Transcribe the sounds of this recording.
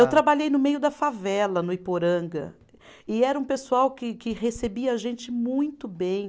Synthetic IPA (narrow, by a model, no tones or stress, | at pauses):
ewt̪ɾabaʎejnʊmejʊd̪ɐfavɛlɐnʊipoɾɐ̃ŋɡɐ̰ | ɪɛɾɐũpesuawkɪkɪɦesebiɐʒẽnt͡ʃɪmũj̃t̪ʊbẽj̃